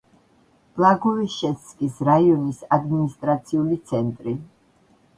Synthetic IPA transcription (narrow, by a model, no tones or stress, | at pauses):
b̥lˠaɡɔviʃɛskʼisɾaiɔnisad̪minist̪ʼɾat̪sʰiulit̪sʰɛnt̪ʼɾi